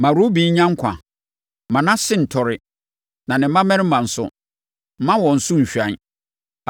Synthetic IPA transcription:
mã˨ɾu˦bi˨˦ɲ̩˦ɲã˦ŋ̩˦kʷʰã̰˨˦ | mã˨nã˦sɪ̃˦n̩˨tʰɔ˨ɾɪ˦ | nã˨nɪ̃˨m̩˦mã˦mɛ̃˦ɾɪ˦mã˨n̩˨sʊ̰˦ | m̩˦mã˦wɔ̃˨n̩˨sʊ̃˦ɲ̩˨ɕᶣã˨n˦

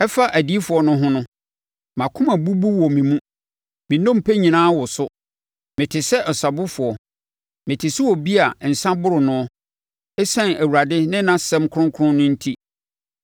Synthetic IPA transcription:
ɛ˦fa˦ʔæ˨di˦fʊ˨ɔ˦nʊ̃˦ɦʊ̃˦nʊ̃˦ | mã˨kʰʊ̃˦mã˨bu˦bu˦wɔ˨mĩ˨mũ˦ | mĩ˨nɔ̃˦m˨pʰɛ˦ɲĩ˨nãː˦wɔ˨sʊ˦ | mɪ̃˨tʰɪ˨sɛ˦ʔɔ˨sa˨bʊ˦fʊ˨ɔ˨ | mɪ̃˨tʰɪ˨sɪ˦wɔ˨bi˦a˨n̩˨sã˦bʊ˦ɾʊ˨nʊ̃˦ɔ˦ | ɛ˦sɛ̃˦næ˨wu˨ɾa˨dɪ˦nɪ̃˦nã˦sɛ̃˦mkʰʊ̃˦ŋ˦kʰʊ˦ʊ̃˦nʊ̃˦n̩˦tʰi˦

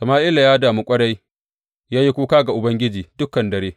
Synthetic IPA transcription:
sɐ˨maː˦ʔɪ˦la˨jaː˦daː˨mu˦kʷʼɐ˦ɽa˦j | jaː˦ji˦kʷuː˦kaː˦ɡa˨ʔʊ˨bɐ˦ŋɡʲɪ˦d͡ʒiː˨dʊ˦kːɐ˨ndɐ˨ɽeː˦

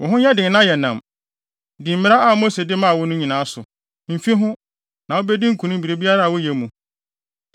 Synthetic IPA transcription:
wʔɔ̃˨ɦʊ̃˦ɲɛ˦dɪ̃˨ŋ˨nã˦˨jɛ˨nã˨m | dĩ˨m̩˨mɪ̃˦a˦a˨mo˦se˨dɪ˦mã˦˨wɔ˦nʊ̃˦ɲĩ˨nã˨˦sʊ˨ | m̩˨fĩ˦ɦʊ̃˦ | nã˨wo˦bɛ˦dĩ˦ŋ̩˦kʰũ˨nʊ̃˦m̩˦bi˨ɾe˨˦bi˦a˦ɾa˦˨wɔ˦jɛ˨mũ˨

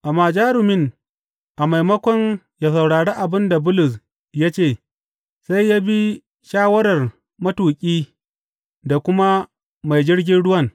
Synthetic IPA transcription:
ʔa˨maː˨d͡ʒaː˦ɾʊ˨mɪ˦ŋ | ʔa˨ma˨jmɐ˦kʷɔ˦n | jaː˨s̬ɐ˨wɽaː˨ɽeː˦ʔa˨bɪ˦nda˨bʊ˦lʊ˨s̬ | ja˦t͡ʃeː˦˨ | sa˦jjːa˦bi˦ | ʃaː˦wɐ˦ɽɐ˨r | mɐ˦tuː˨kʲʼiː˦ | da˨kʷʊ˦ma˦ | ma˨jd͡ʒɪ˦rɡʲɪ˦nɽʊ˦wɐ˦˨ŋ

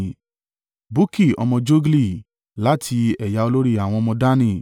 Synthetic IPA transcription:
bu˦ki˦˨ɔ̰˧mɔ̃˧d͡ʒo˦ɡli˦˨ | la˦tʰi˧ɛ˨ja˨˧o˧lo˦ɾi˦a˨w̃ɔ̃˧ɔ˧mɔ̃˧da˦nĩ˦˨

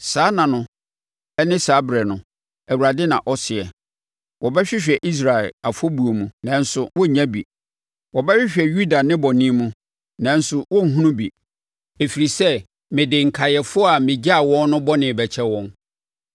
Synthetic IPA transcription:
saː˨˦nã˨nʊ̃˨ | ɛ˦nɪ̃˦saː˨˦bɾɛ˨nʊ̃˨ | æ˨wu˨ɾa˨dɪ˦nã̰˨ʔɔ˦sɪ˨ɛ˨ | wʔɔ˨bɛ˦ɕᶣɪ˦ɕᶣɛ˨ʔi˦s̬ɾa˨ɛ˨la˨fo˦bu˨o˨mũ˨nã˨˦n̩˦sʊ˨wɔ˦˨ɲã˦bḭ˨ | wɔ˨bɛ˦ɕᶣɪ˦ɕᶣɛ˨ju˦da˨nɪ̃˦bɔ˨nĩ˦mũ˦ | nã˨n̩˦sʊ˦wɔ̃˦ŋ̩˨ɦũ˦nũ˦bḭ˨ | e˨fi˨ɾi˨sɛ˦ | mɪ̃˨dɪ˨ŋ̩˨kʰa˨jɛ˨fʊ˦ɔ˦a˨mɪ̃˨d͡ʑa˦˨wɔ̃˦n˦nʊ̃˦bɔ˦nɪ̃˨bɛ˨t͡ɕʰɛ˦wɔ̃˦n

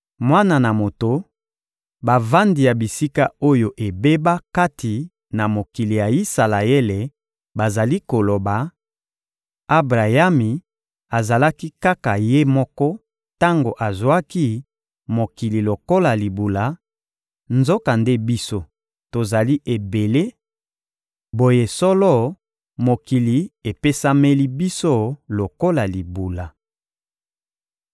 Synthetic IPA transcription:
mwa˦na˨na˨mo˨to˨ | ba˨va˦ndi˨ja˨bi˨si˦ka˦o˦jo˨ʔe˨be˦ba˦ka˦tʰi˨ | na˨mo˨ki˨li˨ja˨i˦sa˨la˨e˦le˨ | ba˨za˨li˦ko˨lo˨ba˨ | a˦bʁa˨ja˦mi˨ | a˨za˨la˦ki˦ka˦ka˨je˦mɔ˦kɔ˦ | ta˦ŋɡo˨ʔa˨zwa˦ki˦ | mo˨ki˨li˨lo˨ko˦la˨li˨bu˨la˨ | nzo˦ka˨nde˦bi˦so˦ | to˨za˨li˦ʔe˨be˨le˦ | bo˦je˦sɔ˦lɔ˦ | mo˨ki˨li˨e˨pe˦sa˦me˦li˦bi˦so˦lo˨ko˦la˨li˨bu˨la˨

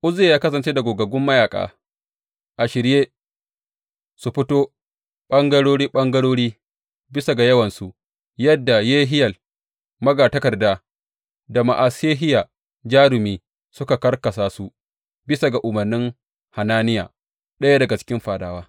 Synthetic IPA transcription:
ʔʊ˦zeː˨jaː˦kɐ˦sɐ˨nt͡ʃeː˦da˨ɡʷoː˨ɡɐ˨ɡʊ˦mːɐ˦jaː˨kʼa̰ː˨ | ʔa˨ʃɪ˨ɾjeː˦ | su˨ɸɪ˦toː˦ | ɓɐ˦ŋɡɐ˦ɽoː˦ɽiː˦ɓɐ˦ŋɡɐ˦ɽoː˦ɽiː˦ | bɪ˦sa˨ɡa˨jɐ˦wɐ˨nsu˨ | jɐ˦dːa˨jeː˦ɦɪ˦jɐ˨l | mɐ˦ɡaː˨tɐ˦kɐ˨rdaː˦ | da˨ma˨ʔa˨seː˦ɦɪ˦jaː˨ | d͡ʒaː˦ɾʊ˨miː˦ | sʊ˦ka˨kɐ˦rkɐ˨saː˦su˦ | bɪ˦sa˨ɡa˨ʔʊ˨mɐ˨rnɪ˦ŋ | ha˨naː˦nɪ˦ja̰ː˨ | ɗɐ˦ja˦dɐ˨ɡa˨t͡ʃɪ̥˦kʲɪ˦mɸaː˨daː˨waː˦

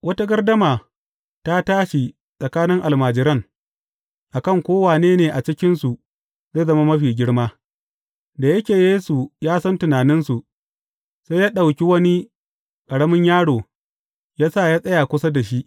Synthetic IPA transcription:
wɐ˦ta˦ɡɐ˦rdɐ˦maː˨ | ta˦taː˦ʃi˨ | sʼɐ˨kaː˦nɪ˦ŋʔa˨lmaː˨d͡ʒɪ˦ɾɐ˦ŋ | ʔa˨kɐ˦˨ŋkʷoː˦waː˨neː˦neː˨ʔa˨t͡ʃɪ˦kʲɪ˦nsu˨ | za˦zɐ˦ma˦mɐ˦ɸiː˨ɡʲɪ˦ɽmaː˦ | da˨jɐ˦kʲeː˨jeː˦su˨jaː˦sɐ˦ntʊ˨naː˨nɪ˦nsu˨ʔ | sa˦jaː˦ɗa˨wkʲi˦wɐ˦ni˦ | kʼɐ˨ɽɐ˦mɪ˦ɲjaː˦ɽoː˨ | jaː˦saː˦˨jaː˦sʼɐ˦jaː˨kʷʊ˦sa˦da˨ʃi˦ʔ

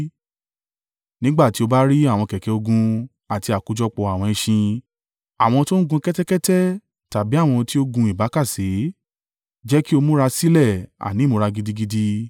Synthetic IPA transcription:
nĩ˦ɡ͡ba˦˨ti˨˦o˧ba˦ɾi˦a˦˨w̃ɔ̃˧kɛ˨kɛ˨o˧ɡũ˧ | a˨ti˧a˨ku˨˦d͡ʒɔ˦k͡pɔ˧a˨w̃ɔ̃˧ĩ˧ʃĩ˧ | a˨w̃ɔ̃˧to˦n̩˦ɡũ˧kɛ˦tɛ˦kɛ˦tɛ˦ | ta˨bi˨˦a˦˨w̃ɔ̃˧ti˦o˦ɡũ˧i˨ba˨˦ka˦˨se˨˦ | d͡ʒɛ˦ki˦o˧mũ˦ɾa˧si˦lɛ˦˨a̰˨nĩ˨˦˨mo˧ɾa˧ɡi˧di˧ɡi˧di˧

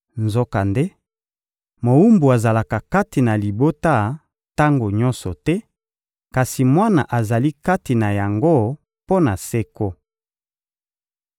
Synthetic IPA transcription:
nzo˦ka˨nde˦ | mo˨u˦mbu˨a˨za˨la˨ka˨ka˦ti˨na˨li˨bo˦ta˦ | ta˦ŋɡo˨ɲɔ˦nsɔ˨tɛ˦ | ka˨si˨mwa˦na˨ʔa˨za˨li˦ka˦ti˨na˨ja˨ŋɡo˦ | po˦na˨sɛ˦ko˦

